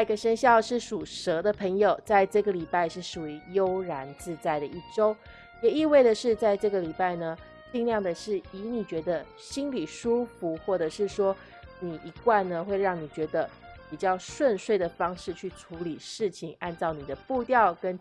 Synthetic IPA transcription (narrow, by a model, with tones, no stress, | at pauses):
ɡə˧ʂə˥ŋɕjɑ˥˧ʊʂɻ̩˥˩ʂu˨˩ʂɤ˧˥d̪ə˧pʰə˧˥ŋjo˨˩ʊt͡sa˥˧ɪʈ͡ʂɤ˥˩ɡə˩li˨˩pa˥˧ɪʂɻ̩˥˩ʂu˨˩y˧˥jo˥ʊɻa˧˥nt͡sɹ̩˥˧t͡sa˥˩ɪd̪ə˩ʔi˥˩ʈ͡ʂo˥ʊ | jɛ˨˩i˥˧we˥˩ɪdə˩ʂɻ̩˥˧t͡sa˥˧ɪʈ͡ʂɤ˥˩ɡə˩li˨˩pa˥˩ɪnə˩ | t͡ɕi˥˧ŋljɑ˥˩ŋd̪ə˩ʂɻ̩˥˩i˧˥ni˨˩t͡ɕɥɛ˧˥d̪ə˧ | ɕi˥nli˨˩ʂu˥fu˧˥xwɔ˥˩ʈ͡ʂɤ˨˩ʂɻ̩˥˩ʂwɔ˥ | ni˨˩ʔi˧˥kwa˥˩nnə˩xwe˥˧ɪɻɑ˥˩ŋni˨˩t͡ɕɥɛ˧˥d̪ə˧ | pi˨˩t͡ɕjɑ˥˧ʊʂwə˥˧nʂwe˥˩ɪd̪ə˩fɑ˥ŋʂɻ̩˥˧t͡ɕʰy˥˩ʈ͡ʂʰu˧˥li˨˩ʂɻ̩˥˩t͡ɕʰi˩ŋa˥˧nt͡sɑ˥˩ʊni˨˩d̪ə˦pu˥˧t̪jɑ˥˩ʊkə˥n